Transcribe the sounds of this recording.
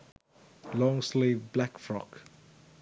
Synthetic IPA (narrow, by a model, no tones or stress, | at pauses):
lɔ̃ŋslivblɛkfɹɔ̰k